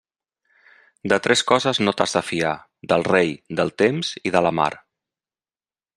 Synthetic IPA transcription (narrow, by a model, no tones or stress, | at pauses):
d̪ət̪ɾʔɛskɔzəznot̪azðəfia | ðəlˠrejd̪əlˠt̪emz̥iðələma̰ɾ